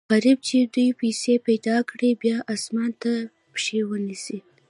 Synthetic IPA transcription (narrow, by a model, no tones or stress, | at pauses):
ɣaɾib̚t͡ʃed̪ujpesepajd̪ɑkɽibjɑʔɑsmɑnt̪a | pʃewənisi